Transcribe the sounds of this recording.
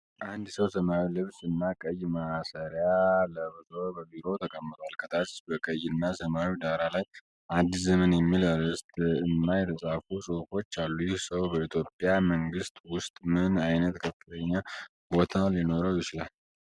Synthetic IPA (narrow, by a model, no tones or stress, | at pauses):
ʔand̪səwsəmawilɨβsɨnːakʼəjmasəɾjaləβɨzobəbiɾo̞t̪ʰəkʼəmːɨt̪ʼwalkʰət̪ʰat̪sbəkʼəjːɨnːasəmawid̪aɾalaj | ʔad̪ːizəmənjɛmːilaɾɨst̪ʼɨnːajɾəsʼafusʼɨfo̞t͡ʃːalːujɪhsəwbəit̪ʰjo̞pʼːjaməŋɡɨst̪ʼwʊst̪ʼmɨnajnət̪kʰəfːɨt̪ʰəɲːa | bo̞t̪ʰalino̞ɾəwjɪt͡ʃɪlal